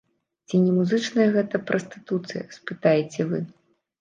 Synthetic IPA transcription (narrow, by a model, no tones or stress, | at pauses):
t͡sʲinʲɛmuzɨt͡ʂnɐjɐɣɛt̪ɐpɾʔɐst̪ɨ̥t̪ut̪sɨjɐ̰spɨt̪ajet͡sʲɛvɨ